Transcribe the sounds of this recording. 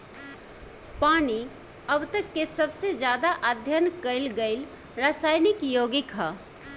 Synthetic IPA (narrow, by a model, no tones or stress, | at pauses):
paːni | əbt̪əkːesɐbsed͡ʒjaːd̪aʔad̪ʱjənkəɪlɡəɪl | ɾaːsaːɪnɪkjoːɡɪkɦa